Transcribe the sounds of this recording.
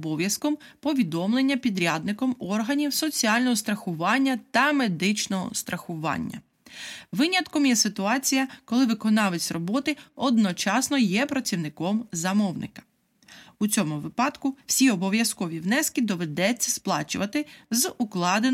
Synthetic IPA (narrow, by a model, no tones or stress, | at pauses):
ɔbɔwjɐskɔm | pɔʋʲid̪ɔmlˠenʲːɐpʲid̪ɾʲad̪nɪkɔmɔrɦɐnʲiwsɔt͡sʲiɑlʲnɔɦɔst̪ɾɐxʊʋɑnʲːɐt̪ɐme̞d̪ɪt͡ʃnɔɦɔ̰st̪ɾʔɐxʊʋɑ̰nʲːɐ̰ | ʋɪnʲɐt̪kɔmjɛsɪt̪ʊɑt͡sʲijɐkɔlˠɪʋɪkɔnɑʋet͡sʲrɔbɔt̪ɪɔd̪nɔt͡ʃɑsnɔjɛpɾɐt͡sʲiwnɪkɔmzɐmɔwnʔɪ̰kɐ̥ | ut͡sʲɔmʊʋɪpɑd̪kʊwsʲiɔbɔʋjɐskɔʋʲiwnɛskɪd̪ɔʋed̪ɛt͡sʲːɐsplˠɑt͡ʃʊʋɐt̪ɪzuklˠɑd̪e